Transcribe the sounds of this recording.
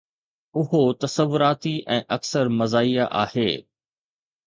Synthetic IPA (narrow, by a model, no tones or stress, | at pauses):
ʊɦot̪ɐsəʋːʊɾaːt̪iʔɛ̃ːʔɐksəɾmɐzaːijaʔa̰ːheː